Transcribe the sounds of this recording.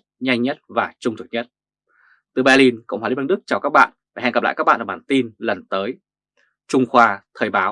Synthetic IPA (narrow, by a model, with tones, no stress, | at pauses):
ɲa˧jŋ̟ɲə˦˥t̚vaː˨˩t͡ɕʊ˧ŋ͡mt̪ʰk̚ɲə˦˥t̚ | t̪ɨ˨˩ɓaː˧li˧nkə̰˧˨wŋ͡mha˧˨i˨˦a˧nɗɨ˦˥k̚t͡ɕaː˨˩wkaː˦˥k̚ɓa̰ː˧˨nvaː˨˩ɛ˧ŋɡə˨˩pl̰ːka˦˥ɓa̰ː˧˨˩ɓaː˨˩nt̪i˧nlə˨˩nt̪əː˨˦j | t͡ɕʊ˧ŋ͡mxwaː˧t̪ʰəː˨˩jɓaː˨˦w